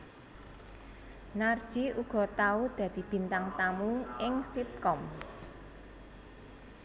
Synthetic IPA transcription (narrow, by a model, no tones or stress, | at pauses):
nard̥ʒ̥iʔuɡ̥ɔ̤t̪aud̪̥ä̤d̪̥i̤b̥i̤nt̪aŋt̪amuʔɪŋsip̚kɔm